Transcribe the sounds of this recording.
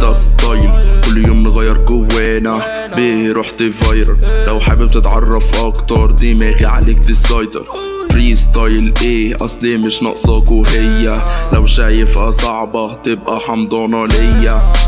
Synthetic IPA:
ɑst̪ɑjlkʊlːjoːmnɣæjːɑɾˤɡʊwːæːna | bihɾuːħt̪ɪvɑjɾɾlawħabɪb̚t̪ɪt̪ʕɑrˤːɑfʔɑkt̪ɑɾˤd̪imæːɣiʕa̰lɪkt̪ɪsɑjd̪ɑ̰ɾ | fɾiːst̪ɑjlʔeːʔɑsˤliːmɪʃnɑ̰ʔsˤɑkuɦɪjːalawʃaːjɪfʔasˤɑʕbɑt̪ɪb̚ʔaħɑmd̪ˤɑːnɑlɪjːa

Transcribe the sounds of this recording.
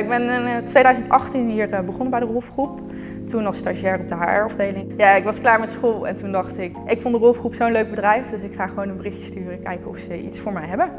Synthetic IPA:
ɪɡ̚bɛntʋejdœɥzəntʔɑχtinɦiːɹəbəχɔnbɛjdərɔlˠfχrup | tunɑlˠstaʒɛrɔb̚dəɦa̰ɹɔvdejlɪŋjaːɪkʋɑsklaːɹmɛtsχolˠɛ̰ntundɑχtɪkʔɪkfɔndərɔlˠfχrupsownløɥɡ̚bədrɛjfdɵsɪkχaːχəʋownənbərɪxjə̥styːrəkɛjkəɔ̰fsəḭtsfʊːɹmɛjɦɛbə

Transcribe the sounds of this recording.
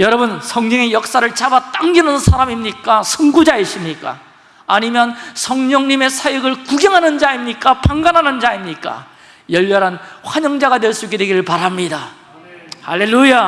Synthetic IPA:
jʌɾʌbɯnsʰʌŋɲʌŋe̞jʌk̚s͈aɾɯɭt͡ɕabat͈aŋɡinɯnsʰaɾamimɲik͈asʰʌŋɡud͡ʑaiɕʰimɲik͈a̰ː | ɲimjʌnsʰʌŋɲʌŋɲime̞sʰajʌɡɯɭkuɡjʌŋɦanɯnd͡ʑaimɲik͈apaŋɡanɦanɯnd͡ʑaimɲik͈a̰ | jʌʎːʌɾɦanɸwaɲʌŋd͡ʑaɡadweɭs͈uik͈e̞dwe̞ɡiɾɯɭpaɾamɲida | halelːuja

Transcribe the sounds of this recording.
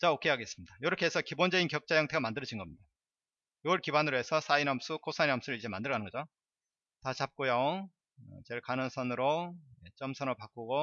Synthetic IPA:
t͡ɕaokʰe̞aɡe̞s͈ɯmɲid̥ajʌɾʌkʰe̞esʰʌkibond͡ʑʌinkjʌk̚t͡ɕ͈ajʌŋtʰe̞ɡamandɯɾʌd͡ʑinɡʌmɲida | joɯɭkibanɯɾoɦe̞sʰʌsʰainamsʰukʰosʰainamsʰuɾɯɭid͡ʑe̞mandɯɭɡanɯnɡʌd͡ʑo | tat͡ɕap̚k͈ojo | ʌt͡ɕeɭkanɯŋsʰʌnɯɾojet͡ɕʌmsʰʌnopak͈uɡo

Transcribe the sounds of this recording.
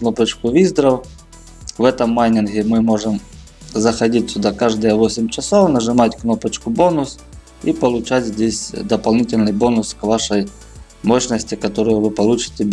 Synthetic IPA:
kno̞pət͡ɕkʊvʲizd̪ɾəw | vɛt̪əmːajnʲɪnɣʲɪmɨmo̞ʐɨm | zɐxɐdʲitʲsʲʊd̪akaʐd̪əjəvo̞sʲɪmʲt͡ɕɪsovnəʐɨmatʲkno̞pət͡ɕkʊbo̞nʊs | ḭpɐlˠʊt͡ɕætʲzʲdʲesʲd̪ɐpɐlˠnʲitʲɪlʲnɨjbo̞nʊskvaʂəj | moɕnəsʲtʲɪkɐt̪oɾʊjʊvɨpɐlˠut͡ɕɪ̥tʲɪbʲ

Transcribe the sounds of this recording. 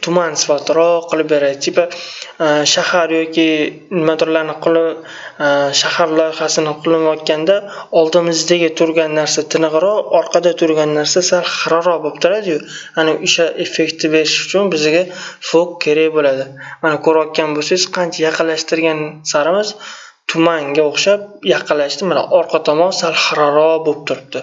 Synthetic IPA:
t̪ʰʊmansɪfat̪ʰɾɒqʰɨlˠɪpbeɾad̪ɪt̪ʰɪpa | ʃahaɾjɒkʲʰi | nɪmad̪ɾlaɾnɪqʰʊl | ʃahaɾlˠɒjχasɪnɪqʰʊlˠɪnɒt̪̚kʲand̪aɒlˠd̪ɪmɪzd̪aɡʲɪt̪ʰʊɾɡʲanːaɾsat̪ʰɪnɨʁɾɒɒɾqʰɑd̪at̪ʰʊɾɡʲanːaɾsasalχɑɾɒɾɒbopt̪ʰʊɾad̪ɪjʊanɪʊʃaʔe̞fe̞kʲt̪ʰɪbe̞ɾɪʃʊ̥t͡ʃʰʊnbɪzɪɡʲafokkʲʰːe̞ɾejbolad̪ɪmanakʰɵɾɒt̪̚kʲanbosez̥qʰɑnt͡ʃʰajɑqʰɨlːaʃt̪ɪɾɡʲansaɾɪmɪz | t̪ʰʊmaŋɡʲaoχʃap̚jɑqʰɨlːaʃt̪ɪmana̰ʔɒɾqʰɑt̪ʰɒmɒmsalˠχaɾaɾɒbop̚t̪ʰʊɾɪb̚d̪ɪ

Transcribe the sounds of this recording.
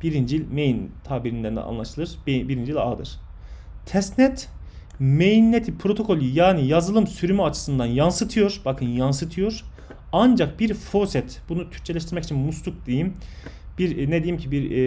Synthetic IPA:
b̥iɾind͡ʒilʲmejint̪ʰaːbiɾind̪eæɾnɛ̰a̰nlˠaʃɯlˠɯɾ̥biɾind͡ʒiilʲa̰d̪ɯ̰ɾ̥ | t̪ʰɛsnɛt̪ | mejinːet̪ʰipʰɾo̞t̪ʰo̞kʰo̞lʲˠijaːnijazɯlˠɯmsyɾymyat͡ʃʰɯ̥sɯnd̪anjansɯt̪ʰɯjo̞ɾbakʰɯnjansɯt̪ʰɯjo̞ɾ | and͡ʒak̚biɾfosɛt̪bunut̪ʰyɾ̚t͡ʃʰelʲɛʃ̬t̪iɾmɛci̥t͡ʃʰinmuslˠuk̚d̪ejimbiɾnɛd̪ejimcʰibiɾ

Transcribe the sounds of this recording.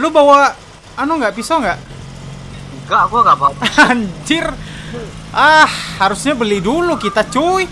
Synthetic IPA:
lubawa | anuŋɡaʔpisɔŋɡaʔ | ɡaʔɡaɡapaaɲt͡ʃɪr | ahːaɾusɲabəlidulukit̪at͡ʃoi

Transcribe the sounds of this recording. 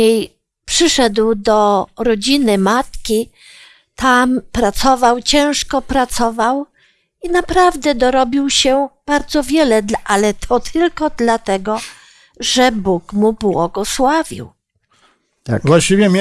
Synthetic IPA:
ej | pʂɘʂɛd̪wd̪ɔɾɔd͡ʑinɘmat̪kʲi | t̪ampɾat̪sɔvawt͡ɕɛ̃w̃ʂkɔpɾat̪sɔvaw | inapɾavd̪ɛd̪ɔɾɔbʲiwɕɛb̥aɾd̪zɔvʲjɛlɛʔalɛt̪ʰɔt̪ʰɘlkɔd̪lat̪ɛɡɔ | ʐɛbukmubwɔɡɔswavʲḭw | t̪a̰vwaɕt͡ɕivʲɛmʲ

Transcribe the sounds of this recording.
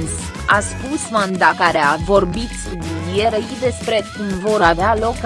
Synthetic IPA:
ns | aspusmand̪akaɾeavo̞rbit̪sʲd̪iijeɾəjid̪e̞spɾe̞kumvo̞ɾavealo̞k

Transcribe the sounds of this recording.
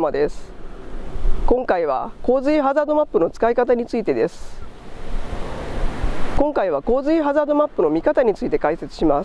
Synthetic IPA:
mad̪e̞sɨ̥ | kõ̞ŋkaiβ̞a̰ko̞ːzɨiɦazaːd̪o̞mapːɯno̞t͡sɨ̥kaikat̪aɲ̟it͡sɨit̪e̞d̪e̞sɨ̥ | kõ̞ŋkaiβ̞ako̞ːzɨiɦazaːd̪o̞mapːɯ̟no̞mʲikat̪aɲ̟it͡sɨit̪e̞kaise̞t͡sɨ̥ɕimas

